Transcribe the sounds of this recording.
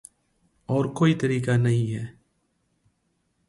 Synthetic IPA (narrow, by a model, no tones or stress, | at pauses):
ɔːɾkoːit̪ɐɾiːkanɐɦĩɦɛː